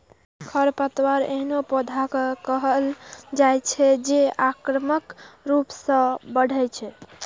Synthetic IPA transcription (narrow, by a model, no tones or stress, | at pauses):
kʰəɾpət̪waɾḛɦnopod̪ʱakekəɦəld͡ʒajt͡ʃʰɛd͡ʒeakɾəməkɾupsə̃bəɽ̤ʱɛjt͡ʃʰɛ